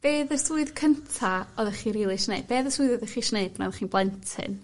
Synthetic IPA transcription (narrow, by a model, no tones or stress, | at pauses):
b̥eːðəsuɨðkʰəntʰaɔðɛχiːɾiːlˠɨʃneɨb̚beːðəsuɨðɔðɛχiʃneɨbnɔðχiːnblˠɛntʰɨ̰n